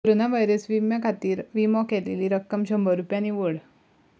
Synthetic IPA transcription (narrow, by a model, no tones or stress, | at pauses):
koɾonaʋajɾəsʋimjakʰat̪iːɾʋimɔkɛleliːɾəkːəmɕəmbʱəɾupjaniʋəɽ